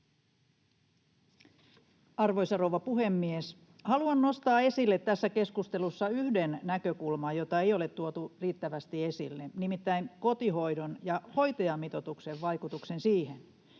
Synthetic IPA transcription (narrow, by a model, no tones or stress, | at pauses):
ɑrʋo̞jsɑrowʋɑpuhe̞mːies | hɑluɑnno̞st̪ɑːe̞silːet̪ːæsːæke̞skust̪e̞lusːɑyhdenːækøkulmɑjo̞t̪ɑe̞jo̞le̞t̪tːuot̪uriːt̪ːæʋæst̪ie̞silːenimit̪ːæiŋko̞t̪iɦo̞jdonjɑho̞jt̪ɑjɑmːit̪ot̪ukse̞ʋʋɑjkut̪ukse̞nsiːhen